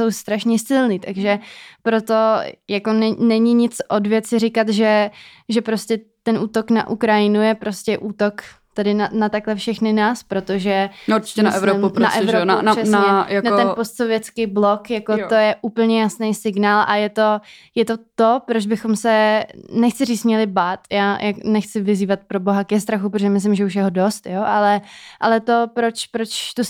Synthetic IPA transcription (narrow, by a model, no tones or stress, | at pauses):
so̞wst̪ɾaʃɲɛsɪlniːt̪aɡʒɛpɾo̞t̪o̞jako̞nɛnɛɲɪɲɪt͡sʔodvjɛt̪t͡sɪɾɪkat̪ʒɛʒɛpɾo̞scɛt̪ɛnʔuːt̪o̞kna̰ʔukɾajɪnujɛpɾo̞scɛʔuːt̪o̞kt̪adɪnanat̪aklɛfʃɛxnɪnaːspɾo̞t̪o̞ʒɛuɾt͡ʃɪ̥cɛnaɛvɾoupɾna̰ʔɛvɾonanɛsnaɲɛjanaɛnpost̪sovjɛt͡skijblokjakot̪ojɛʔuːpl̩ɲɛjasnejsɪɡnaːlʔajɛt̪o̞jɛt̪o̞t̪o̞pɾod͡ʒbɪxo̞msɛnɛxt͡sɪriːt͡smɲɛlɪbaːt̪jaːjʔaknɛxt͡sɪvɪziːvat̪̚pɾobo̞ɦakɛst̪ɾaxup̬ɾoʒɛmɪs̬lɪmʒɛuʃjɛɦodo̞st̪joːʔalɛʔalɛt̪o̞pɾot͡ʃpɾot͡ʃt̪u